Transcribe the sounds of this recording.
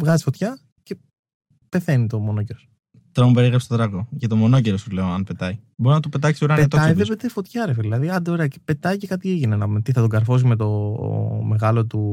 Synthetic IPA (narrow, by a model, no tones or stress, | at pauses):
vɣɐzi̥sfo̞t̪çɐ | ce | pe̞θe̞nit̪o̞mo̞noce̞ɾos | t̪ɾɐmubeiɣɾɐpst̪ot̪ɾɐɣoʝɐt̪omo̞no̞ceɾost̪ule̞oɐnpe̞t̪ɐi | boɾiznɐt̪upet̪ɐksioɾɐneɐt̪oɐivepet̪efo̞t̪çɐɾefeðilɐðiɐnd̪eo̞ɾe̞ɐce̥pe̞t̪ɐice̞kɐt̪ieʝinenɐmet̪iθɐt̪oŋɡɐɾfos̬ime̞t̪o̞ | me̞ɣɐlo̞t̪u